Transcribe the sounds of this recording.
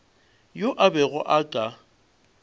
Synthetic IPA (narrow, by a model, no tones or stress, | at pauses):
joʔabɛɣʊʔakʼa